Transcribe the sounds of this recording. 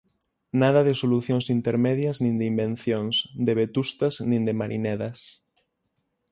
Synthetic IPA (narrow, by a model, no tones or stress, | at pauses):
nað̞ɐðɪsoluθjoŋsint̪eɾmeðjaznĩnd̪imbẽn̟θjõŋsd̪eβet̪ust̪ɐznĩnd̪emaɾʔinɛðɐs